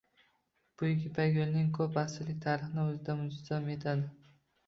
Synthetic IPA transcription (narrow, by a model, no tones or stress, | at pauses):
b̥ʊjɪkʲɪpʰaɡʲolnɪŋkʰɵpːasɪlɪk̚ʲt̪ʰaɾɪχnɪɵzɪd̪amʊzzɒme̞t̪ʰad̪ɪ